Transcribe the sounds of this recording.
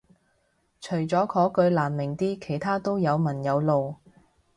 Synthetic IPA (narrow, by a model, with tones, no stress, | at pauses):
t͡ʃʰɵ˨˩ɥt͡sɔː˨˥kʰɔː˨˥kɵ˧ɥlaː˨˩nmɪ˨˩ŋt̪iː˥kʰe˨˩jt̪ʰaː˥t̪o˥wjɐ˨˧wmɐ˨˩njɐ˨˧wlo˨w